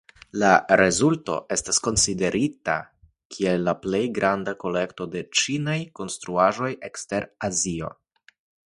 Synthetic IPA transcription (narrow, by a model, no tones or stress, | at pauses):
laɾe̞zulto̞̰ʔe̞stasko̞nside̞ɾʔita̰ | kʰie̞lːaple̞jɡɾʔandako̞le̞kto̞de̞t͡ʃinajko̞nstɾuaʒo̞je̞kste̞ɾazio̞̰